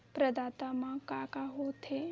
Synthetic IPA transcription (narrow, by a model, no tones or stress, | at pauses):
pɾəd̪at̪amãkakaɦot̪ʰe